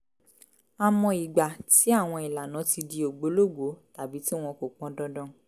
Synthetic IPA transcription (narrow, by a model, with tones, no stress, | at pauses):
a˧mɔ̃˧i˨ɡ͡ba˨ti˨˦a˦˨w̃ɔ̃˧i˨la˨nã˨˦ti˧di˧o˨ɡ͡bo˨˦lo˦˨ɡo˨˦ta˨bi˨˦ti˦w̃ɔ̃˧ko˨k͡pɔ̃˨˦dɔ̃˧dɔ̃˦